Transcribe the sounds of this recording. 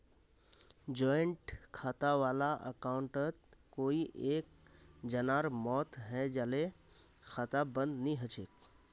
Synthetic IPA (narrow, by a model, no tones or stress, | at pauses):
d͡ʒɔɪɳʈkʰaːt̪aʋaːlaʔə̰kaʊɳʈət̪̚koːiʔeːk̚ | d͡ʒənaɾmɔt̪ɦɛ̃d͡ʒale | kʰaːt̪abə̃nd̪niɦət͡ʃʰek̚